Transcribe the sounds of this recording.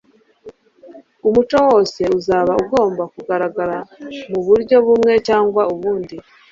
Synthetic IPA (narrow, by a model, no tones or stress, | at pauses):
umut͡ʃowo̞ːse̞uzaːβauɡo̞ːmbakuɡaɾaɡaɾamuβuɾɟo̞βumŋe̞caːŋɡwauβuːndi